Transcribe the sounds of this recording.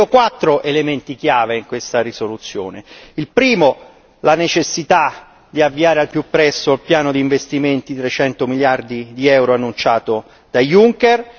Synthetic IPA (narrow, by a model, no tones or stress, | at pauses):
okwat̪ːɾoʔelement̪ikjaːveiŋkwest̪aɾisolut̪sːjo̰ːneilpɾiːmo | lanet͡ʃesːit̪a | d̪iavːiaːɾealpjupːɾɛsːoalpjaːnod̪iːɱvest̪iment̪it̪ɾet͡ʃɛnt̪omiljard̪id̪iɛwɾoanːunt͡ʃaːt̪o | d̪̥ajuŋker